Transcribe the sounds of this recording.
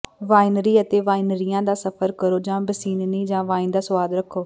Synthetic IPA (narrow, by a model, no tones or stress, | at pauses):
ʋaːɪnɾiːət̪eːʋaːɪnɾijãːd̪aːsəpʰəɾkəɾoːd͡ʒãːbəsiːnniːd͡ʒãːʋãːĩːnd̪aːsʊʋaːd̪ɾəkʰːoː